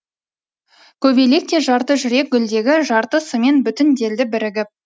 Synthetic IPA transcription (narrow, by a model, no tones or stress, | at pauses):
kʲʰɵbele̞k̚t̪e̞ʒɑɾt̪əʒʏɾe̞k̚ɡʲʏld̪e̞ɡʲɪʒɑɾt̪əsəme̞nbʏt̪ɪnd̪e̞ld̪ɪbɪɾɪɡʲɪ